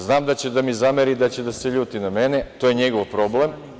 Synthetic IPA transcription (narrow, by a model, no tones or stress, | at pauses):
znaːmd̪at͡ɕed̪amizameɾid̪at͡ɕed̪aseʎuːt̪inamenet̪o̞ːjeɲe̞ɡoʋpɾo̞ble̞m